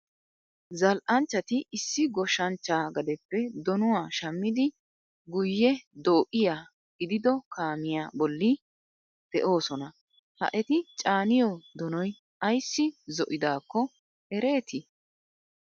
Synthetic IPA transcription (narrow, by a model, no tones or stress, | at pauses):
zɐlʔɐnt͡ʃːɐt̪ɪːsːɪɡɔʃːɐnt͡ʃːaːɡɐd̪ɛpːɛd̪ɔnʊwaːʃɐmːɪd̪ɪ | ɡʊjːɛd̪oːʔʼɪjaː | ɡɪd̪ɪd̪ɔkʰaːmɪjaːbɔlːɪ | d̪̥ɛʔo̞ːsɔnɐ | hɐ̰ʔɛt̪ɪt͡ʃʼaːnɪjɔd̪ɔnɔj | ʔɐjsːɪzɔʔɪd̪aːkːɔ | ɛɾe̞ːt̪ɪ